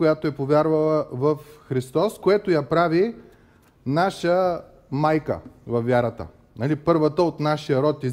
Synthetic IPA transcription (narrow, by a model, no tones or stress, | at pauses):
ojat̪oɛpovʲaɾvəlˠəvɐfxɾist̪ɔskoɛt̪ojapɾavi | naʃə | majkə̰vɐfʲːjaɾət̪ə̰ | nɐlipɤɾvət̪əot̪naʃijəɾɔt̪i